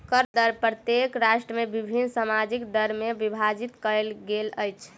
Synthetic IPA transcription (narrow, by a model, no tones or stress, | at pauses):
kəɾd̪əɾpɾət̪jekɾaʃʈɾəmebibʱinːsamad͡ʒikd̪əɾmebibʱad͡ʒit̪kəlɡeləjt͡ʃʰ